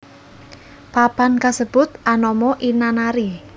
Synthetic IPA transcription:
papankasəb̥ʊt̪̚ʔanɔmɔʔinanaɾi

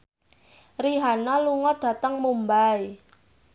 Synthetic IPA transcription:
riɦanaluŋɔɖ̥ä̤t̪əŋmumbaj

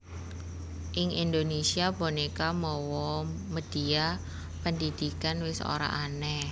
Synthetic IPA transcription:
ʔɪŋind̪onesiabonikamɔwɔməd̥ia | pəndid̪̥ikanwɪso̰ɾa̰ʔanɛ

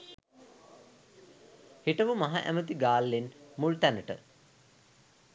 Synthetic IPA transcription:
hiʈəʋumaɦaʔæ̰mət̪iɡaːlːenmult̪ænəʈə̰

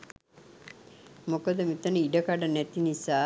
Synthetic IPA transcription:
mokod̪əmit̪ənəiɖəkaɖənɛt̪inisaː

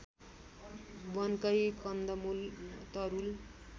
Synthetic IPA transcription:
bʌnkʌjkʌnd̪ʌmult̪ʌɾul

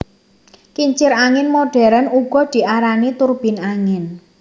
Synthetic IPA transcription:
kiɲt͡ʃɪɾaŋɪnmoɖ̥ɛ̤ɾənuɡ̥ɔ̤d̪̥i̤ʔaɾanit̪ʊrb̥i̤naŋɪn

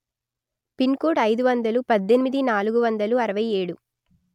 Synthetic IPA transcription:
pinkoːʈɐjd̪uʋɐnd̪ɐlupɐd̪ːe̞nimid̪inaːluɡuʋɐnd̪ɐluɐɾɐʋɐje̞ːɽu

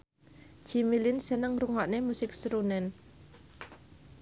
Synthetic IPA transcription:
d͡ʒ̥imilɪnsənəŋruŋaʔnemusɪk̚sɾunɛn

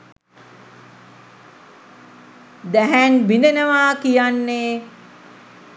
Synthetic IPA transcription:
d̪æɦænbinenəʋaːkijanːeː

